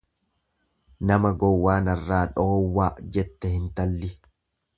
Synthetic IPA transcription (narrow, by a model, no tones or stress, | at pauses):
nɐmɐɡɔwːaːnɐrːaːᶑoːwːaːd͡ʒɛt̪ːɛhɪnt̪ɐlːɪ